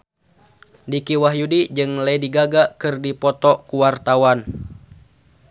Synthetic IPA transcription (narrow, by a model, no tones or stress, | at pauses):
dikiwaɦjudid͡ʒɨŋlajdiɡaɡakɨrdipɔt̪ɔkuwart̪awan